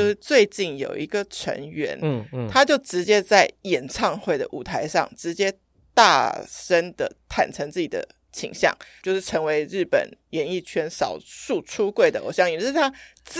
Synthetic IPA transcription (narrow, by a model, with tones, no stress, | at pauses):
jo˥˧ʊʂɻ̩˥˩t͡swe˥˧ɪt͡ɕi˥˩ŋjo˨˩ʊʔi˧˥ɡə˨ʈ͡ʂʰə̰˧˥ŋɥɛ˧˥nt̪ʰa˥t͡ɕjo˥˩ʊʈ͡ʂɻ̩˧˥t͡ɕjɛ˦˥t͡sa˥˩ɪjɛ˨˩nʈ͡ʂʰɑ˥˧ŋxwe˥˩ɪd̪ə̰˩ʔu˨˩t̪ʰa˧˥ɪʂɑ̰˥˩ŋʈ͡ʂɻ̩˧˥t͡ɕjɛ˥ | t̪a̰˥˨˩ʂə˥nd̪ə̰˨t̪ʰa̰˨˩nʈ͡ʂʰə˧˥ŋt͡sɹ̩˥˩t͡ɕi˨˩d̪ə̰˦ | t͡ɕʰḭ˨˩ŋɕjɑ̰˥˩ŋt͡ɕjo˥˧ʊʂɻ̩˥˩ʈ͡ʂʰɤ˧˥ŋwe˧˥ɪɻɻ̩˥˩pə̰˨˩njɛ˧˥ni˥˩t͡ɕʰɥɛ˥nsɑ˨˩ʊʂu˥˩ʈ͡ʂʰu˥kwe˥˩ɪd̪ə̰˩ʔwo̰˨˩ɕjɑ˥˩ŋɛ˨˩ʂɻ̩˥˩t̪ʰa˥t͡s